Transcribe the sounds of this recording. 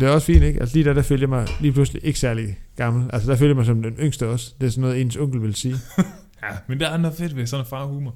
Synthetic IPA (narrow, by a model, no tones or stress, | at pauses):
d̥e̝æɐɒ̽sfḭːneɡ̥æl̰səliːd̥æd̥æføljɑmɑ̈ɪliːpʰlusliʔe̝ɡ̥ə̥sæɐliɡ̥ɑ̈ml̩ælsəd̥æføljɐmɑ̈ɪsɒ̽md̥enøŋ̰sd̥əɒ̽sd̥e̝æsɒ̽nːɔːð̩ˠe̝̰ːnsɔŋ̰ɡ̥l̩ʋe̝lsiː | jæmend̥eædnɔfed̥ʋesɒnæfɑ̈ːhuːmɐ